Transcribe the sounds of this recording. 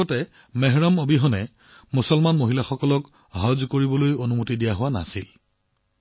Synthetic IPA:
ɔtɛ | mɛɦɹɔmobiɦɔnɛ | musɔlmanmoɦilaxɔkɔlɔk | ɦɔzkoɹibɔlojonumutidijaɦʊwana̰sil

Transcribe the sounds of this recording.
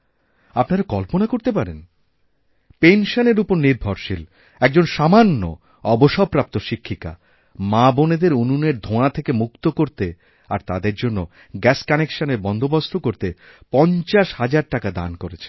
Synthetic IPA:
apnaɾakɔlponakoɾt̪epaɾḛn | penʃoneɾupoɾniɾbʱɔɾʃil | ɛk̚d͡ʑonʃamanːo̰ | ɔboʃɔpːɾap̚t̪oʃikʰːika̰ | maboned̪eɾununeɾd̪ʱõat̪ʰekemukt̪okoɾt̪e | aɾt̪ad̪eɾd͡ʑonːo | ɡɛskanekʃaneɾbɔnd̪ʱobast̪ʰokoɾt̪e | pɔnt͡ɕaʃhad͡ʑaɾʈakad̪a̰nkoɾet͡ɕʰe̥n

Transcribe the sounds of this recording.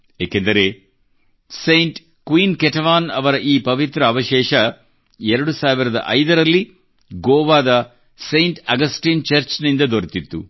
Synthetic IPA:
eːkend̪ɐɾe̞ː | sejɳʈ | kʋiːnkeʈɐʋaːnɐʋɐɾɐʔiːpɐʋit̪ɾɐːʋɐʃɛːʃɐ | ɛɾɐɽusaːʋiɾɐd̪ɐ̰ʔɐjd̪ɐɾɐlːi | ɡoːʋaːd̪ɐ | sejɳʈɐɡɐsʈiːnt͡ʃɐɾt͡ʃnind̪ɐd̪oɾit̪it̪ːu

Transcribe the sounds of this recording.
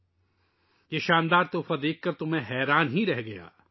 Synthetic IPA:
jeʃaːnd̪aːɾt̪oːfad̪eːkʰːɐɾt̪ʊm̤ẽɦɛːɾaːnɦĩɾɛɦɡɐja̰ː

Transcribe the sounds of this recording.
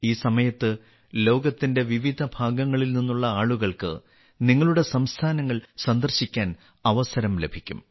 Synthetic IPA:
iːsɐmɐjɐt̪ːɨ | lo̞ːɡɐt̪ːinde̞ʋiʋid̪ʱɐbʱaːɡɐŋːɐɭilninːuɭːɐaːɭuɣɐɭkɨ̰ | niŋːɐɭuɽe̞sɐmst̪ʰaːnɐŋːɐɭsɐnd̪ɐrɕikʲːaːn | ɐʋɐsɐɾɐmle̞bʱikʲːṵm

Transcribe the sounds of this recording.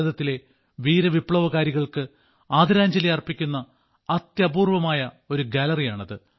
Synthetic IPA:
ðɐt̪ːile̞ | ʋiːɾɐʋipɭɐʋɐɣaːɾiɣɐɭkɨ | aːd̪iɾaːɲd͡ʑɐlijɐrpːikʲːunːɐ | ɐt̪jɐbuːrʋɐmaːjɐ | o̞ɾuɡalɐrijaːɳɐðɨ

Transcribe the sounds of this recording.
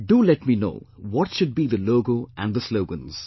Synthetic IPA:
ɖulɛʈmino̰ʊːwɔtʃʊd̚biːðəloːɡoːʔæ̰̃nd̪əsloʊɡə̃nz̥

